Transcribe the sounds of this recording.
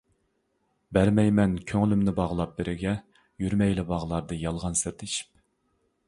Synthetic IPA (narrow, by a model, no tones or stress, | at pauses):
bæɾmɛjmɛnkʲʰøŋlymnɪbɑʁəlˠɑp̚bɪɾʔɪɡʲɛ | jyɾmɛjlɪbɑʁlˠɑɾd̪ɨjɑlˠʁɑnsɨɾt̪ʰeʃi̥p̚